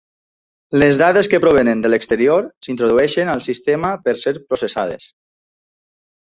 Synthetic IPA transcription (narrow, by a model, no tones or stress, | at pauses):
lezðaðeskəpɾoβ̞enend̪ələkst̪əɾioɾsint̪ɾoðuɛʃenalˠsist̪emapəɾseɾpɾosesa̰ð̞ḛs